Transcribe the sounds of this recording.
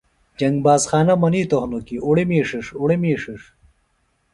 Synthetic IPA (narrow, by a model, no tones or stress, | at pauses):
d͡ʑɐŋɡbaːsxaːnɐmɐniːt̪ohnokiuɽimiːʂiʂuɽimiːʂiʂ